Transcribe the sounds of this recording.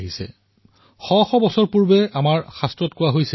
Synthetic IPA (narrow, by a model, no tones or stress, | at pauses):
ɦisɛ̰ | xɔxɔbɔsɔɹpuɹbɛamaɹxastɹɔtkʊwaɦojsɛ